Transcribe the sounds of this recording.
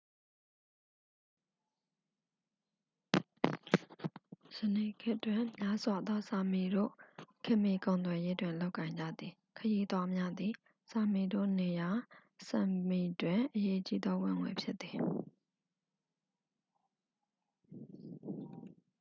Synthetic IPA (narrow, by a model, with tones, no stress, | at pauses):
səne˨kʰɪ˦ʔtːwɪ̃˨mja˦z̥wa˨d̪wɔ˦sa˨mi˨do̰˦˨kʰɪ̃˦ʔmi˨kõ˨ʊnt̪wɛ˨je˦dwɪ̃˨lo˦ʊkːã˨ɪ̃ɲd͡ʑa̰˦˨d̪i˨ | kʰəji˦ʔd̪wa˦mja˦d̪i˨ | sa˨mi˨do̰˦˨ne˨ja˨sa˨mi˨dwɪ̃˨ʔəje˦ʔət͡ɕḭ˦d̪ɔ˦wɪ̰̃˦˨ŋwḛ˨pʰjɪ˦t̪ːi˨